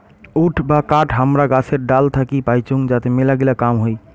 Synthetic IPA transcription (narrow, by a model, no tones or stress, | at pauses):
uʈʰbakaʈʰɦəmɾaɡasʰeɾ̚ɖalt̪ʰakipajt͡ʃuŋɡd͡ʒat̪emelaɡelakamɦoj